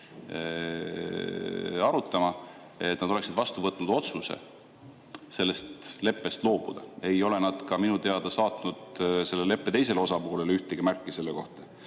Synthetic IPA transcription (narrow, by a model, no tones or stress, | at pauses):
ɑɾut̪ːˑɑmɑ | e̞t̪nɑd̪o̞le̞ksid̪̥vɑst̪uvɤt̪ːˑnud̪̥o̞t̪suse̞̰ | se̞lːe̞st̪le̞pːe̞st̪lo̞ːb̥ud̪̥ɑe̞jo̞le̞nɑd̪̥kɑminut̪e̞ɑd̪̥ɑsɑːt̪nud̪̥se̞lːele̞pːe̞t̪ejse̞lo̞sɑpoːle̞lyht̪eɡ̥imærkːˑise̞lːeko̞̰ht̪ɑ̥